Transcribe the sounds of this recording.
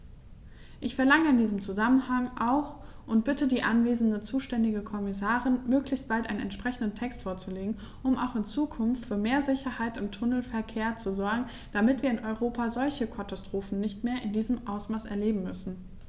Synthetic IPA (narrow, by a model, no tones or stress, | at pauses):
ʔɪçfɛɐlaŋəɪndiːzəmt͡suzamənhaŋʔaʊxʔʊntb̥ɪtədiːʔanveːzn̩dət͡suːʃtɛndɪɡəkʰɔmɪsaːʁɪnmøːklɪçst̚b̥altʔaɪnənʔɛ̰nʃpʁ̥ɛçn̩dən̩tʰɛkstfoːɐt͡suleːɡŋ̩ | ʔʊma̰ʊxɪnt͡suːkʰʊnftfyːɐmeːɐzɪçɐhaɪtɪmtʰʊnl̩fɛɐkʰeːɐt͡suzɔɐɡŋ̩ | d̥amɪtv̥iːɐɪnʔɔʏʁoːpʰazɔlçəkʰatastʁ̥oːfn̩nɪçtmeːɐʔɪndiːzəmʔaʊsmaːsɛ̰ɐleːbm̩mʏsn̩